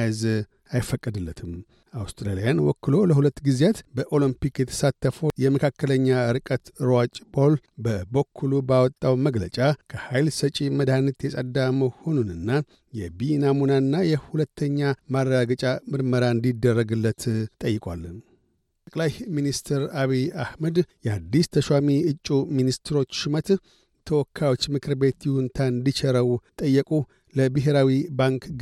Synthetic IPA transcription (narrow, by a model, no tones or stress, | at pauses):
jz | ajɪfːəkʼːəd̪ɨlːət̪ʰɨm | awst̪ʰɾalijanwɔ̰kːɨlo̞ləhulət̪ːɡizjat̪bəʔo̞limpikjɛt̪ʰə̥sat̪ːəfojɛməkʰakːələɲːaɨɾkʼət̪ɨɾwat͡ʃʼbolbəbəkʰːulubawɔt̪ʼːawməɡlət͡ʃʼakʰəhajlsət͡ʃʼiməd̪anːət̪jɛsʼəd̪aməho̞nunɨnːa | jɛbinamunaɨnːajɛhulət̪ʰːəɲːamaɾːaɡət͡ʃʼamɨɾməɾaɨnd̪id̪ːərːəɡɨlːət̪t̪ʼəjːɪkʼwa̰lːɨn | t̪əkʼlajminist̪ʰɨɾaβiahməd̪jɛad̪ːist̪ʰəʃwamiɨt͡ʃʼːuminist̪ɨɾo̞t͡ʃːʃɪmət̪ | t̪ʰəwɔkʰːajo̞t͡ʃːmɨkʰɨɾbe̞t̪jiwɨnt̪ʰaɨnd̪it͡ʃʰɛɾəwt̪ʼəjːəkʼu | ləbɨɦeɾawibaŋk